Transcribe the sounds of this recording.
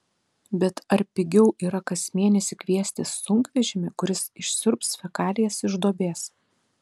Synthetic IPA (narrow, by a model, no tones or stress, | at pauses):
bʲɛt̪ɐɾʲpʲɪɡʲɛʊʔiːɾɐkɐsʲmʲeɛnʲɛsʲɪkʲʋʲiɛsʲt̪ʲɪsʊŋkʋʲɛʒʲɪmʲɪkʊɾʲɪsɪʃʲsʲʊɾpsfʲɛkɑːlʲɪjɛsɪʒd̪oːbʲeːs